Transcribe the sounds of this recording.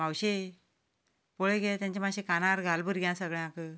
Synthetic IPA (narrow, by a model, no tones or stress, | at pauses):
mawɕe | poɭeɡet̪jãɲt͡ɕemawɕekanaɾɡʱalbəɾɡʱjãsəɡɭjãkə